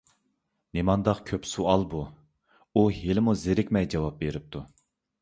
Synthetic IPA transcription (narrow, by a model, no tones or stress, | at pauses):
nemɑnd̪ɑqkʲʰøpsuɑlˠbu | uɦelɪmuzeɾɪkʲmɛjd͡ʒɑwɑp̚beɾɪp̚t̪ʰu